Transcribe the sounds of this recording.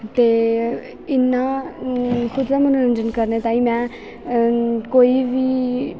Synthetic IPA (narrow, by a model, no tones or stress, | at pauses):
t̪eː | ɪnːa | kʰʊd̪ɾamənoɾənd͡ʒənkəɾnet̪ãːĩmɛ̃ː | koːiʋiː